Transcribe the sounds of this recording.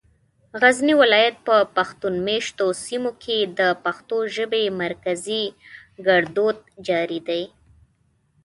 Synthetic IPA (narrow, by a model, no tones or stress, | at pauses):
ɣazniwɪlɑjat̪̚pəpaxt̪unmeʃt̪osimokʰed̪əpaxt̪oʒəbemaɾkaziɡaɽd̪od̪̚d͡ʒɑɾid̪aj